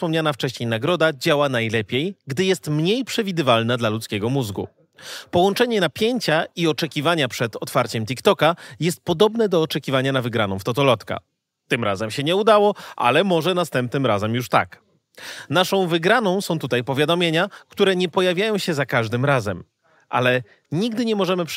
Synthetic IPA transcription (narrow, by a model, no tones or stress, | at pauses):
spɔmɲanaft͡ʂɛɕɲejnaɡɾɔd̪ad͡ʑawanajlɛpʲjejɡd̪ɘjɛst̪mɲejpʂɛvʲid̪ɘvalnad̪lalut̪skʲɛɡɔmuzɡṵ | pɔwɔnt͡ʂɛɲɛnapʲjeɲt͡ɕaiɔt͡ʂɛkʲivaɲapʂɛt̪ɔt̪faɾt͡ɕɛmt̪̬ʲikt̪ɔkajɛst̪̚pɔd̪ɔbnɛd̪ɔːt͡ʂɛkʲivaɲanavɘɡɾanɔ̃w̃ft̪ɔt̪ɔlɔt̪ka̰ | t̪ɘmɾa̰zɛmɕɛɲɛud̪awɔa̰lɛmɔʐɛnast̪ɛmp̚nɘmɾazɛmjuʂt̪a̰k | naʂɔ̃w̃vɘɡɾanɔ̃w̃sɔ̃w̃t̪ut̪ajpɔvʲjad̪ɔmʲjeɲakt̪uɾɛɲɛpɔjavʲjajɔ̃w̃ɕɛzakaʐd̪ɘmɾazɛm | ʔa̰lɛ | ɲiɡd̪ɘɲɛmɔʐɛmɘp